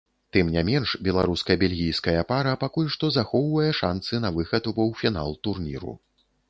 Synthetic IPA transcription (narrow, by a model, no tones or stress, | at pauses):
t̪ɨmnʲamʲɛnʂbʲɛlˠa̰ɾuskɐjɐbʲalʲɣʲijskɐjɐpaɾɐpakulʲʂt̪ɔzaxɔwvɐjɛʂansɨnɐvɨxɐt̪uvɔwfʲina̰lˠt̪urnʲḭɾṵ